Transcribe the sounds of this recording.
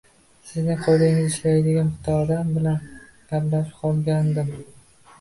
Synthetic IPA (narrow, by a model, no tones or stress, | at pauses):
sɪznɪqʰolˠd̪ɪŋɪzɪʃlajd̪ɪɡʲanʊt̪ʰɒːd̪ambɪlanɡʲablaʃqʰɒlˠɡʲand̪ɪm